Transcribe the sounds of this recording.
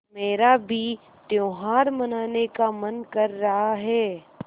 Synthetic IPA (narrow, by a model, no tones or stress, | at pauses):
meːɾabʱi | t̪jõːɦaːɾmɐnaːnekamɐnkɐɾːɐɦaɦɛː